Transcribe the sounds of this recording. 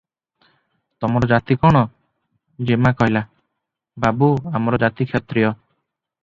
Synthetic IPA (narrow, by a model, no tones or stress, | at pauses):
t̪ɔmɔɾɔd͡ʒat̪ikɔɽ̃ɔ | d͡ʒemakɔɦila | babuamɔɾɔd͡ʒat̪ikʰjɔt̪ɾijɔ